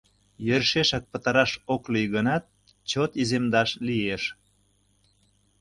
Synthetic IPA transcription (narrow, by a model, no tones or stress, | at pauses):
jørʃeʃɑk̚pət̪ɑɾɑʃoklijɣənɑt̪̚ | t͡ɕot̪izemd̪ɑʃlieʃ